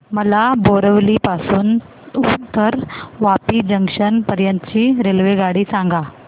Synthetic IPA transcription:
məlaboɾəʋliːpasuːn | ut̪ːəɾʋapiːd͡ʑəŋɡʂənpəɾjənt̪ət͡ɕiːɾelʋeɡaɽiːsãŋɡa

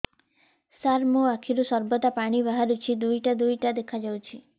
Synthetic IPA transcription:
saɾmoakʰiɾusɔɾbɔt̪apaɽ̃ibaɦaɾut͡ʃʰid̪ujʈad̪ujʈad̪ekʰad͡ʒawt͡ʃʰi

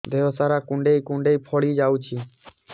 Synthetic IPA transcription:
d̪ʱeːʋosaːɾaːkʊ̃ɳɖeːiːkʊ̃ɳɖeiːpʰoːɽiːd͡ʒaːuːt͡ʃʰiː

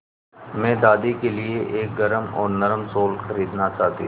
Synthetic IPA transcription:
mɛ̃ːd̪aːd̪ikelieʔeːk̚ɡɐɾəmɔːɾnɐɾəmsoːlxɐɾiːd̪nat͡ʃaːɦt̪ḭ

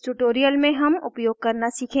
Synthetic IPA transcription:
ʈuʈoːɾijəlmẽɦɐmʊpjoːɡ̚kɐɾnasiːkʰẽː

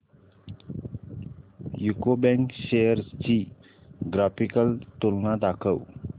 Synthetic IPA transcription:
jukobɛ̃ŋkɕejəɾt͡ɕi | ɡɾafikəlt̪ulnad̪akʰəw

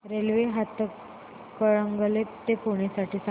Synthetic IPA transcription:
ɾelʋeɦat̪ək | kːəɭəŋɡəlet̪epoɳ̃jasaʈʰiːsa

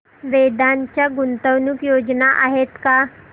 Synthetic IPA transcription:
ʋed̪aɲt͡ɕjaɡunt̪əwnukjod͡znaʔaɦet̪ka

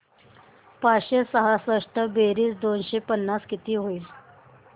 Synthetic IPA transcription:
paɕesəɦasəʂʈ̪əbeɾiːsd̪onɕepənːaskit̪iːɦoiːl

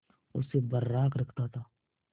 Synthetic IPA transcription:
ʊsːebɐɾːaːkɾɐkʰt̪at̪ʰaː

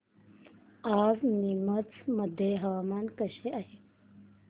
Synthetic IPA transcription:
aznimət͡sməd̪ʱːjeɦəʋamankəɕeaɦe

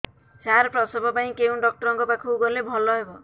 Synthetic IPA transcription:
saɾpɾɔsɔbɔpaĩkew̃ɖɔk̚ʈɔɾɔŋkɔpakʰuɡɔlebʱɔlɔɦebɔ

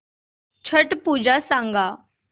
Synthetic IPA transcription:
t͡ɕʰəʈpud͡ʑasãŋɡa

